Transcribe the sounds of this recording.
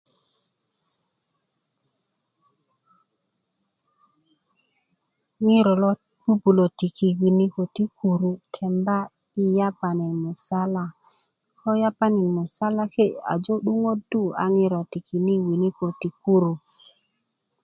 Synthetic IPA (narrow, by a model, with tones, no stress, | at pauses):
ŋɪ˦ɾɔ˨lɔ˦ | b̥u˦bu˨lo˨ti˨ki˨wi˨ni˦ko˨ti˦kʰu˨ɾu˨tʰɛ˨mba˦ | i˦ja˦pa˨nɪ˨mʊ˨sa˦la˨ | kɔ˦ja˦pa˦nɪ˨mʊ˨sa˦la˦ke˦˨a̰˨d͡ʒo˦ɗu˦ŋo˦du˦˨a̰˨ŋɪ˦ɾɔ˨ti˨ki˨ni˦wi˨ni˦ko˨ti˨ku˦ɾu˨